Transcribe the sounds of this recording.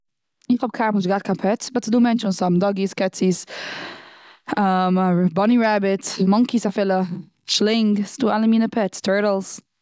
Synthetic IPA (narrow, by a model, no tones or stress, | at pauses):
ifɔb̚kʰaɹpə̃nsəɡat̚kʰapʰɛtb̥ʌtʰːəduːmɛ̃nʃə̃nsɔmdɔɡiskʰɛtiz̥ | ʌmbɔniɹabɪtmʌŋkisafɪlə | t͡ʃlɪ̃ŋɡstualəmiːnəpʰɛttʰɜɹɾəlz̥